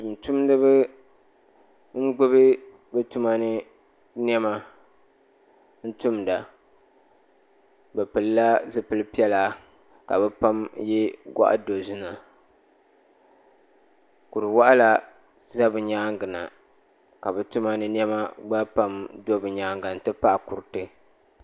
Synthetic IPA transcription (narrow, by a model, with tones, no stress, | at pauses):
tu˨m˨tu˦mdɨ˦bɨ˦ | ŋ̩˦ɡ͡bɨ˦βɨ˦ | bɛ˦tu˦ma˦nɨ˦ | n˦ɛ˦ma˨ | n̩˦tu˦mda˨ | bɛ˨pɨ˨lɨ˦la˦zɨ˦pɨ˦lɨ˦pi˦ɛ˦la˨ | ka̰˨bɛ˦pa˦mjɛ˦ɡa̰˦ʔa̰˦do˨zi˦na˨ | ku˨ɾɨ˨wa˦ʔa˦la˨ | za˦bɨ˨ɲaː˦ŋɡɨ˨na̰˨ | ka˨bɛ˨tu˦ma˦nɨ˦n˦ɛ˦ma˦ɡ͡ba˦pa˦mdo˦bɨ˨ɲaː˦ŋɡa˨n̩˨tɨ˦pa˦ʔa˨ku˨ɾtɨ˦